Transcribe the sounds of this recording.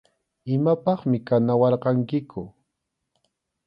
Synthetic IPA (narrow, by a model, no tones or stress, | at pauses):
ɪmapɑχmɪkanawɑɾqɑŋkɪkʊ